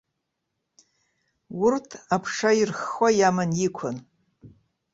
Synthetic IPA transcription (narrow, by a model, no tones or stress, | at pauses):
wʊrtʰapʰʂairχʷajamanjikʷʰʊn